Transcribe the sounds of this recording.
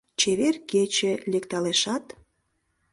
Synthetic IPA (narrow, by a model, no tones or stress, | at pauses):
t͡ɕeβerket͡ɕelekt̪ɑleʃɑt̪